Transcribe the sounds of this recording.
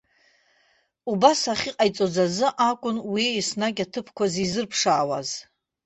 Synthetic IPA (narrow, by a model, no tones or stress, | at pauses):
ubasaχʲiqʼajt͡sʼo̞d͡zazɨʔakʷʼʊnwiisnakʲatʰɨpʰkʷʰazizɨrpʰʂaːwa̰z